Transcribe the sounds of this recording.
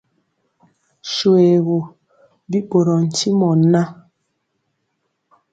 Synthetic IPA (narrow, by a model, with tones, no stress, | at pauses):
ʃu˨e˨ɣo˨ | bi˦bo˨ɾɔ˨n̩˨ti˦mɔ˨na˦